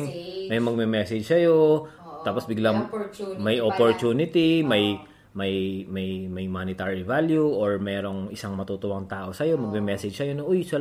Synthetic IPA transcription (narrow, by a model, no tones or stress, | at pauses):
mɐjmɐɡ̚mɛmɛːsɛd͡ʒsɐjo̞t̪aːposbɪɡlaŋmɐjʔopoɹt̪uːnɪt̪imɐj | mɐjmɐjmɐjmanɪt̪aɹivaljuʔoɹmɛːɾo̞ŋʔɪsaŋmɐt̪ut̪ʊʔɐŋt̪aːʔo̞sɐjo̞mɐɡ̚mɛmɛːsɛd͡ʒsɐjonoʔojsɐ